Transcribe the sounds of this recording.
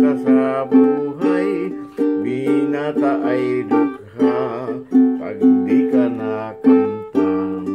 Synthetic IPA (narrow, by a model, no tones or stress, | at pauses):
kasabuɦajbinat̪aʔajɾak̚ha | pa̰ɡd̪ikanakampa